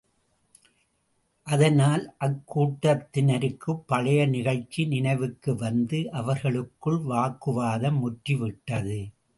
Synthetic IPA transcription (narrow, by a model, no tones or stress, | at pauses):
ʔɐðɐnaːlʔɐkːuːʈːɐt̪ːɪnɐɾɯkːɯpːɐɭɐjɐnɪɣɐɭt͡ʃːinɪnɐɪʋɯkːɯʋɐnd̪ɯʔɐʋɐɾɣɐɭɯkːɯɭʋaːkɯʋaːðɐmʊʈriʋɪʈːɐðɯ